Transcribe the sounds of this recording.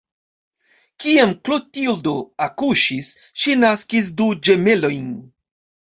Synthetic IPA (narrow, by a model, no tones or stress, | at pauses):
kiamklutildoakuʃis | ʃinaskis̬dud͡ʒe̞me̞lo̞jn